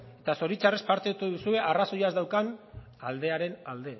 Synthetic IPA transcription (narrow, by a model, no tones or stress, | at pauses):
e̞t̪aso̞ɾit͡ʃare̞spaɾt̪et̪uðusue̞ʔaraso̞jazd̪awkan | ald̪e̞aɾe̞nald̪e̞